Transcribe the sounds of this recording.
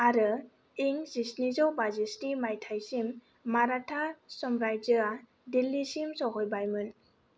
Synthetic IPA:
aɾɯ | iŋzisnizɔwbazistimajtʰajsimː | aɾatʰasɔmɾajd͡ʒɯa | dilːisimsɔɦɔjbajmɯn

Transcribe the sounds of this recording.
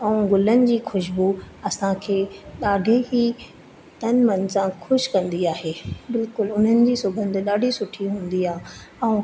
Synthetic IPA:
ɛ̃ũɡʊlənɪ̆d͡ʑiːxʊʃbuɐsãkʰeːɗaːɖʱeɦi | t̪ɐnmɐnsãxʰʊʃkɐ̃nd̪iaːɦeːbɪlkʊlʊn̤ənɪ̆d͡ʑiːsʊbʱə̃nd̪ɗaːɖʱisʊʈʰiɦũːnd̪iaːɦɛ̃ũ

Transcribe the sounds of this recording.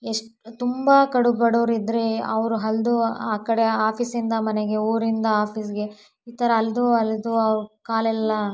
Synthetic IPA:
eʂʈ | t̪umbakɐɽubɐɽoːɾid̪ɾeɐ̰ʋɾuɦɐld̪uaːkɐɽe̞aːpʰisind̪ɐmɐneɡe̞uːɾind̪ɐaːpʰisɡe̞ | iːt̪ɐɾɐːld̪uɐld̪uɐʋɾukaːlɛlːɐ

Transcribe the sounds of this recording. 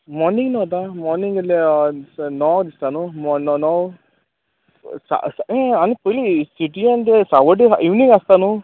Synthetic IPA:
mɔɾniŋɡnɔɦɔt̪̬amɔɾniŋɡəe | nɔwd̪ist̪anumɔnɔnɔw | sa̰saẽanipəjlisiʈiand̪esaʋəʈeaʔiʋniŋast̪anũ

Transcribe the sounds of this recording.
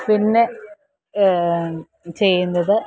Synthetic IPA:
pinːe | t͡ɕe̞jːunːɐðɨ

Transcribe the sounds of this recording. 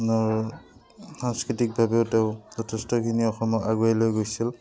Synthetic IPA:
naɹ | saŋskɹitik̚bʱabeʊteʊzɔtʰestɔkʰiniɔxɔmɔkaɡuajlojɡojsil

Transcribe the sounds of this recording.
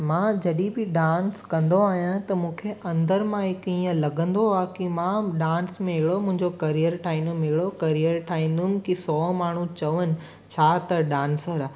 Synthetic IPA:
mãd͡ʑɐɗĩbɪɖãːnskɐ̃nd̪oaːɦjãt̪ɐmũːkʰeʔɐ̃nd̪əɾmãɦɪkĩːə̃lɐɡʱə̃nd̪oaːkimãɗãːnsmẽɦɪɽomʊ̃ɦɪ̃ɲd͡ʑokɐɾiəɾʈʰaːĩnd̪mɦɪɽokɐɾijəɾʈʰaːɦĩːn̆d̪ʊmɪ̆kisɔːmaːɳ̤ũt͡ɕɐʋənɪ̆ | t͡ɕʰaːt̪ɐɖãːnsəɾaː

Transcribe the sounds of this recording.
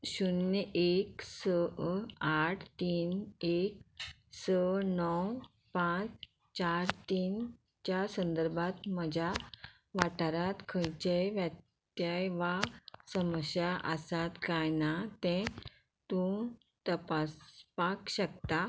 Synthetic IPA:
ɕunːeksə | aʈʰt̪iːnek̚ | sənɔw | pãt͡s | t͡ɕaɾt̪iːn | t͡ɕjasə̃nd̪əɾbʱat̪məd͡ʑʱa | ʋaʈaɾat̪kʰəjt͡ɕejʋja | t̪jajʋasəməɕjaʔəsat̪kajnat̪ɛ̃ | t̪ũ | t̪əpaspakɕək̚t̪a

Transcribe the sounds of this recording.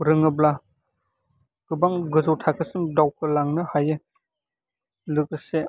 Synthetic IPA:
ɾɯŋɯbla | ɡ̥ɯbaŋɡɯzɯwtʰakʰɯsɯŋdawkʰɯlaŋnɯhajɯ | lɯk̚ɯse

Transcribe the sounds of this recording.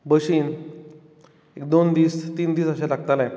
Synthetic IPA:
bəɕiːn | ekd̪ond̪iːst̪iːnd̪iːsəɕelaɡt̪alae

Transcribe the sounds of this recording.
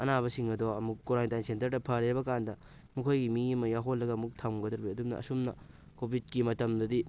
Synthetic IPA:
ɐnaβɐsiŋɐdoɐmukːoɾajntajnsentɐɾdɐpʰɐɾeɾbɐkandɐ | mukʰojɡimiimɐjaɦolːɐɡɐmuk̚tʰawŋɡɐdɐɾbiɐdumnɐ̰ʔɐ̰sumnɐ | kobʱid̚kimɐtɐmdɐdi

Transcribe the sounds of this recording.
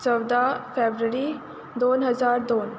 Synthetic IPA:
t͡səwd̪afebɾəɾi | d̪oːnɦəzaːɾd̪oːn

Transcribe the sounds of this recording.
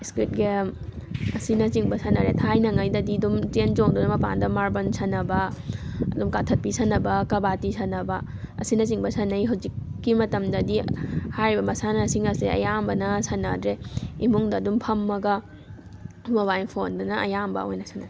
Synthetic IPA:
skɾit̚ɡemɐsinɐt͡ʃiŋbɐsʰɐnɐɾetʰajnɐŋɐjdɐdidumtend͡ʒoŋdunɐmɐpa̰ndɐmaɾbɐnsʰɐnɐbɐɐdumkatʰɐt̚pisɐnɐbɐkɐbatisʰɐnɐbɐ | ɐ̰sinɐt͡ʃiŋbɐsɐnɐjɦawzikːimɐtɐmdɐdihajɾibɐmɐsanɐsiŋɐseɐ̰jambɐnɐsɐnɐ̰dɾeimuŋdɐːdumpʰɐmːɐɡɐ | boβajnpʰondunɐʔɐjambɐ̰ojnɐsʰɐna

